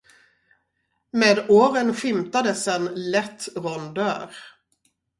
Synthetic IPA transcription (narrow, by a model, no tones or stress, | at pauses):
meːd̪oːɾənɧɪmt̪ad̪əsɛnlɛt̪ːɾɔnd̪œːɾ